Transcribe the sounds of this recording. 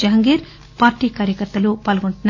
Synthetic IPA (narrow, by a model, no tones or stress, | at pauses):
ɐɦɐŋɡeːɾ | paːɾʈiːkaːɾjɐkɐɾt̪ʋɐlupaːlɐɡoɳʈunː